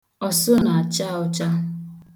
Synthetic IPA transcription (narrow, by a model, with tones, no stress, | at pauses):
ɔ˨sʊ˦na˨a˨t͡ʃa˦˨ʊ˦t͡ʃa˦